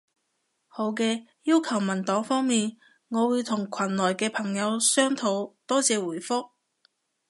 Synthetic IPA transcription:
ho˨˧wkɛː˧jiː˥wkʰɐ˨˩wmɐ˨˩nt̪ɔː˨˥ŋfɔː˥ŋmiː˨n | ŋɔː˨˧wuː˨˧jt̪ʰʊ˨˩ŋkʷʰwɐ˨˩nlɔː˨˩jkɛː˧pʰɐ˨˩ŋjɐ˨˧wsœː˥ŋt̪ʰo˨˧˥wt̪ɔː˥t͡sɛː˨˧wuː˨˩jfʊ˥k̚

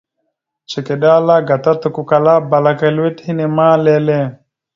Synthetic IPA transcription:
t͡ʃe˨ke˨ɗa˦la˦ɡa˨t̪a˦t̪u˨ku˦ka˨la˦ba˨la˦ka˦lwe˦thi˦nɛ˨maː˦lɛ˦lɛ˦

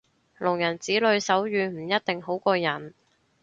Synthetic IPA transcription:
lʊ˨˩ŋjɐ˨˩nt͡siː˨˥lɵ˨˧ɥsɐ˨˥wjyː˨˧m̩˨˩jɐ˥t̚t̪ɪ˨ŋɦo˨˥wkɔː˧jɐ˨˩n

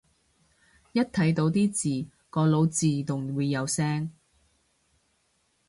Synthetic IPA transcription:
jɐ˥t̚t̪ʰɐ˨˥jt̪o˨˧wt̪iː˥t͡siː˨˩ | kɔː˨˧lo˨˧wt͡siː˨˩t̪ʊ˨˩ŋwuː˨˧jːɐ˨˧wsɛː˥ŋ

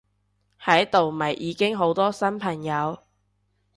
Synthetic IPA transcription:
hɐ˨˥jt̪o˨wmɐ˨˩jʔiː˨˧kɪ˥ŋɦo˨˥wt̪ɔː˥sɐ˥npʰɐ˨˩ŋjɐ˨˧w

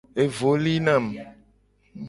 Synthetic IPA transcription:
e˨vo˨li˦nã˨m

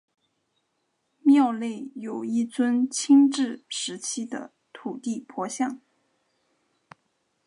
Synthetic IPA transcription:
mjɑ˥˧ʊle˥˩ɪjo˨˩ʊi˥˩t͡swə˥nt͡ɕʰi˥ŋʈ͡ʂɻ̩˥˩ʂɻ̩˧˥t͡ɕʰi˥d̪ə̰˨ | t̪ʰu˨˩t̪i˥˩pʰwɔ˧˥ɕjɑ˥˩ŋ

